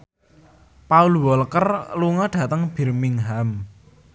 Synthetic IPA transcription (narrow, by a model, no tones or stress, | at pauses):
pauluwɔlkərluŋɔɖ̥ä̤t̪əŋb̥i̤rmiŋɦam